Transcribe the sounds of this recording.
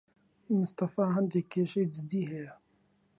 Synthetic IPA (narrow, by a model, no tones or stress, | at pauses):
mʊst̪ɐfaːɦɐnd̪ekeːʃeːd͡ʒɪd̪iɦe